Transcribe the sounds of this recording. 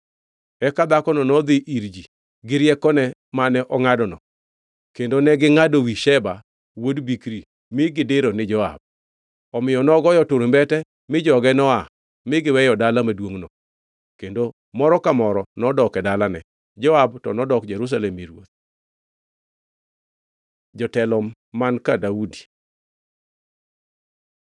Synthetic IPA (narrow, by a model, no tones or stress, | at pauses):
ɛkad̪akɔnɔnɔd̪ɪʔiɾd͡ʒi | ɡɪɾjɛkɔnɛmanɛʔɔŋadɔnɔ̰ | kendonɛɡɪŋadowiʃɛba | wodbikɾi | mɪɡɪdɪɾonɪd͡ʒɔa̰b̚ | ɔmɪjɔnɔɡɔjɔtoɾembɛtɛ | mɪd͡ʒɔɡɛnɔa | mɪɡɪwɛjɔdalamadwoŋnɔ | kendo | mɔɾɔkamɔɾɔnɔdɔkɛdalanɛ | d͡ʒɔabtɔnɔdɔkd͡ʒɛɾus̬alɛmiɾwot̪̚ | d͡ʒɔtɛlɔmː | ankadaudi